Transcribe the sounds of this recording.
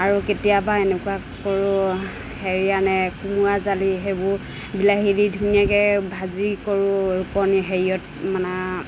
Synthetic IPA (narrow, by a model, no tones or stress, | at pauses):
aɹuketijabaenɛkua | kɔɹʊ | heɹijanɛkumazaliɦebʊ | bilaɦididʱunijakɛbʱazikɔɹʊɹukɔniɦeɹijɔt̚ | manɛ